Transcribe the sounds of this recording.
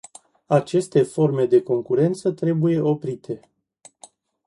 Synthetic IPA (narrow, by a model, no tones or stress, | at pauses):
at͡ʃe̞st̪e̞fo̞rme̞d̪e̞ko̞ŋkuɾe̞nt̪sət̪ɾe̞buje̞ʔo̞pɾit̪ʰe̞